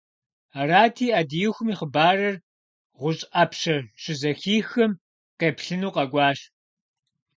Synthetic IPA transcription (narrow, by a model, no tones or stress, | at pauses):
aɾaːtʰiːʔɐdijuxʷʊmiːχəbaːrɐr | ʁʷʊɕʼɐpɕɐrɕɪzɐxiːxɐm | qeːpɬɨnuːqɐɡʷɑːɕ